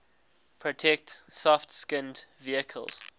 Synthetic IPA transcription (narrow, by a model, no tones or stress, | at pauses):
pʰɹɔtʰɛk̚tsɔftskɪ̃ndviəkʰə̰lˠz̥